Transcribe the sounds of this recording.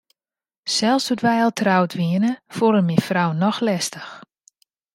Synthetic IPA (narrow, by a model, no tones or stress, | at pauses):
sɛlˠsutʋɛjalˠtʰrawtʋiənəfoɾəmifrawnɔxlɛstəx